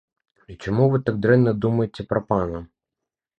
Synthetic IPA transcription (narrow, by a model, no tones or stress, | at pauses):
it͡ʃɔmuʋɪt̪aɡ̚d̪ɾɛnnɐd̪umɐjet͡sʲːɐpɾɔpɑnɐ